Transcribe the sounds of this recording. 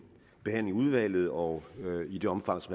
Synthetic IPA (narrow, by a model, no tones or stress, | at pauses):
b̥e̝hæn̰̩uð̞ˠʋæl̰ð̞̩ˠɒ̽id̥e̝ɒ̽mfɑ̈ŋ̰sɒ̽m